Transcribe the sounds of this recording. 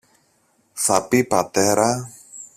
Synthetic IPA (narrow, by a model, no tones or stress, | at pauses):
sapipat̪eɾa